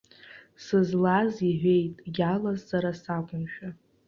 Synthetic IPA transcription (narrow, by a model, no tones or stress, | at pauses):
sɨzlaziʕʷᶣe̞jtʼɡʲalazsaɾasakʷʼʊnʃᶣa